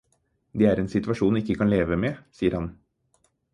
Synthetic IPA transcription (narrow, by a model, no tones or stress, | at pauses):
d̪eːæːɾeːnsɪt̪ʋɑʂuːnɪkːəkʰɑnleːʋəmeːsiːəɾhɑn